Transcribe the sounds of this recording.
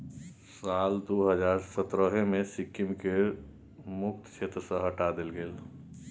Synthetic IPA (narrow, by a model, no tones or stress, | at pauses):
saːld̪oɦəd͡ʒaːɾsət̪ɾəɦẽmẽsɪkːɪmke | mʊk̚t̪t͡ʃʰeːt̪ɾəsə̃ɦəʈad̪ɪlɡel